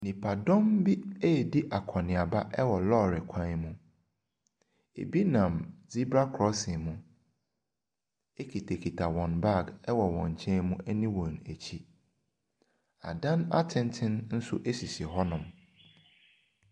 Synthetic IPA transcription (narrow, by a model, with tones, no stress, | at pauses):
nĩ˨pʰa˨dɔ̃˦mbi˦e˦˨di˦ʔa˨kʰɔ˨nɪ̃˨a˨ba˦ʔɛ˦wɔ˨lɔ˦ɾɪ˨kʷʰã˦n˦mũ˦ | ḛ˨bi˦nã˨md͡zi˦bɾa˦kʰɾɔ˦sɪ̃˨mũ˦ | e˦kʰi˨tʰe˨kʰi˨tʰa˨wɔ̃˨nba˦˨ɡɛ˦wɔ˨wɔ̰̃˨ɲ˨t͡ɕʰɛ̃˦mũ˦ʔɛ˦nĩ˦wɔ̃˨n˨æ˨t͡ɕʰi˦ | a̰˨dã˦na̰˦tʰɪ̃˦ntʰɪ̃˦nn̩˦sʊ̰˦ʔe˦si˨sɪ˨ɦɔ˦nʊ̃˨m